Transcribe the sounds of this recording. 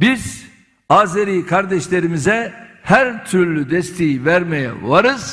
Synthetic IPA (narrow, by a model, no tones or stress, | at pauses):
biz̥ | aːzeɾijkʰaɾd̪ɛʃlʲe̞ɾimizɛhæɾt̪ʰyɾlʲyd̪ɛst̪ʰejivæɾmejɛ̰vaɾɯz̥